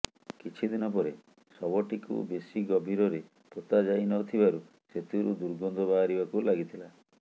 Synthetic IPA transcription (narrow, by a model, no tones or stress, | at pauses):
kit͡ʃʰid̪inɔp̬ɔɾe | sɔbɔʈikṵbesiɡɔbʱiɾɔɾe | pot̪ad͡ʒajnɔt̪ʰibaɾu | set̪uɾud̪uɾɡɔnd̪ʱɔbaɦaɾibakulaɡit̪ʰila